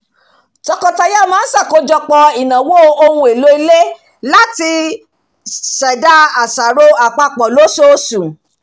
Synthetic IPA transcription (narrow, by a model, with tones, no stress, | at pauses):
tɔ˧kɔ˧ta˧ja˦˨mãː˦n̩˦sa˦˨ko˨˦d͡ʒɔ˧k͡pɔ˧i˨nã˨wo˦o˧hũ˧˦e˨lo˦i˧le˦ | la˦ti˧ | sɛ˨da˦a˨sa˨ɾo˦a˨k͡pa˧k͡pɔ˨lo˨˦so˦sũ˨